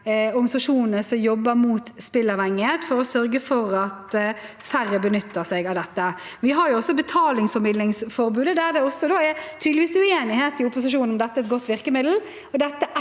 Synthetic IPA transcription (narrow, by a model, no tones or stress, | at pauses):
ɔɾɡɑnɪsɑʂuːnnəsɔmjɔbːəɾmuːt̪spɪlːɑʋhɛŋːet̪fɔɾɔsœɾɡəfɔɾɑt̪fæɾəbənʏt̪ːəsɛɡɑʋd̪ɛt̪ːəʋɪɦɑɾjʊɔsːɔbət̪ʰɑːlɪŋsfɔɾmɪd̪lɪŋsfɔɾbʉːd̪əd̪æɾd̪ɛɔsːɔd̪oːæɾt̪ʰyd̪lɪʋiːsʉeːnɪheːt̪ɪʊpːʊsɪʂuːnɔmd̪ɛt̪ːæɛt̪ɡɔt̪ːʋɪɾkəmɪd̪l̩ | ɔd̪ɛt̪ːəʔ